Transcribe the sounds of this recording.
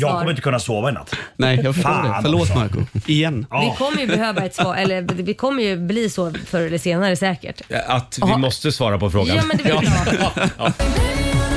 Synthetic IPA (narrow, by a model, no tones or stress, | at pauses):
jɑːɡʰɔmɾɪnt̪əkʰɵnːasoːvaɛna̰t̪ːnɛjjɑːɡfœʂʈoːɖɛfœɭoːt̪ma̰ɾkʊ̰ɪjɛnːvɪkʰɔmːəɾjɵɛhøːvaɛt̪sɑːʔɛlːəd̪vɪkʰɔmːəjɵbliːsɔfœɾɛləseːnaɾəsɛːkə̰ʈat̪vɪmɔst̪əsvɑːɾapɔfɾo̰ːɡa̰mɛd̪